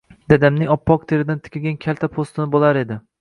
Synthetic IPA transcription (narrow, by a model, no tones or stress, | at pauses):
d̪̥ad̪amnɪŋɒpːɒq̚t̪ʰeɾɪd̪ant̪ʰɪ̥kʲʰɪlɡʲankʲʰalʲt̪ʰapʰost̪ɪnɪbolˠaɾe̞d̪ɪ